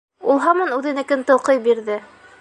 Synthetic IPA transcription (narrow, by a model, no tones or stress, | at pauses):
ulˠɦɑmɑnʉðɘ̆nɘ̆kɘnt̪ɤ̆lˠqɤjbiɾðɘ